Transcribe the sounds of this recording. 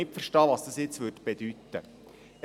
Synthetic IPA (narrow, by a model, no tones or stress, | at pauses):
ɪpfərʃtɑːʋɑsd̥̪ɑsjɪt͡sʋøɾdb̥ed̥̪yt̪ːə